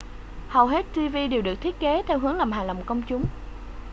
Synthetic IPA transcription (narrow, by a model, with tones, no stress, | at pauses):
hə˨˩wɦe˦˥t̚t̪i˧vi˧ɗe˨˩wɗɨ˨˩ək̚t̪ʰi˦˥ət̚ke˨˦t̪ʰɛ˧wɦɨ˨˦əŋlaː˨˩mhɦaː˨˩lə˨˩wŋ͡mkə˧wŋ͡mt͡ɕʊ˨˦ŋ͡m